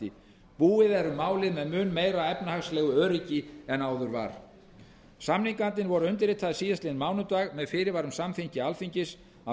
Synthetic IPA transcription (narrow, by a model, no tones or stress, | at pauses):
ɪ | puːɪðɛɾʏmːaːwlɪðmɛðmʏːnmeːjɾaɛpnahaslɛːɣʏœːɾicɪɛnaːwðʏɾva̰ɾ̥ | samniŋkant̪ɪnvɔɾʏʏnt̪ɪɾɪt̪ʰaðɪsiːðast̪ɪnmaːwnʏt̪aːɣmɛðfɪɾɪɾvaɾʏmsamfiɲcɪalfiɲcɪs | a